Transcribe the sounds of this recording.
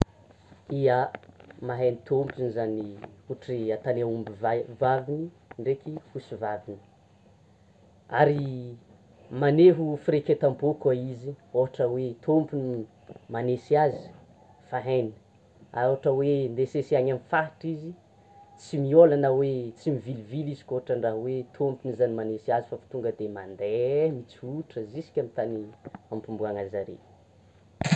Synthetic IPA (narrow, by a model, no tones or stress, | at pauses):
iəmaɦenit̪ʰompinizaniuʈ͡ʂiat̪anaumbivavavini | ɳɖ͡ʐekʲihusivavini̥ | aɾi | maneɦufiɾekʲet̪ambokwaizioɦaʈ͡ʂəwet̪ʰompuni | manesiazi̥ | faɦajnə̥ | aɦaʈ͡ʂəwend̪esesiaɲamifaʈ͡ʂizi | t͡simiolanəwet͡simivilivilizi̥koaʈ͡ʂəɳɖ͡ʐaɦwet̪ʰompunizanimanesiazifafi̥t̪uŋɡəd̪emand̪emit͡siuʈ͡ʂəzisi̥kʲamit̪aniampumbuaŋazaɾḛ